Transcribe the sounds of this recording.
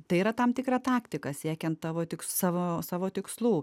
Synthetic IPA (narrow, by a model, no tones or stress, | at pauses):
t̪ɐɪiːɾɐt̪ɐmt̪ʲɪkrɑt̪ɑːkt̪ʲɪkɐsʲiɛkʲɛnt̪t̪ɑːʋoːt̪ʲɪksɑːʋoːsɑːʋoːt̪ʲɪkslˠuː